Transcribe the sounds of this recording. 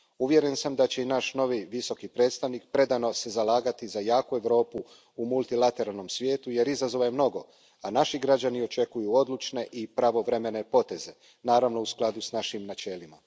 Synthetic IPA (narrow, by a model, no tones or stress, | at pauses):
uʋje̞ɾe̞nsamd̪at͡ɕe̞inaːʃno̞ʋiʋiso̞kipɾe̞ːt̪st̪aʋnik̚pɾe̞d̪ano̞se̞zalaːɡat̪izajaːkue̞ʋɾo̞ːpu | umult̪ilat̪e̞ɾalˠno̞msʋʲje̞ːt̪uje̞ɾizazoʋajemno̞ɡo̞ | anaʃiɡɾad͡ʑanio̞t͡ʃe̞kujuo̞d̪lut͡ʃne̞ʔipɾaʋo̞ʋɾe̞me̞ne̞po̞t̪e̞ze̞ | naːɾaʋno̞usklad̪usnaʃimnat͡ʃe̞ːlima